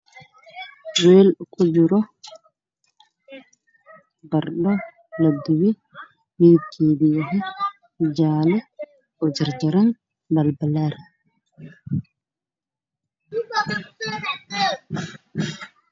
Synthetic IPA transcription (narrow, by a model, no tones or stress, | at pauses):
wɛːlkʰud͡ʒuɾɔ | baɾɗɔ | ladːuwi | wiːkʰibijaɦɛ | d͡ʒaːlɛ | ʔɔd͡ʒaɾd͡ʒaɾan | balbalaɾɛ